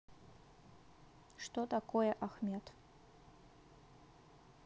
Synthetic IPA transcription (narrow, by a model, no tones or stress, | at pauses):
ʃt̪ot̪akojɛʔaxmʲet̪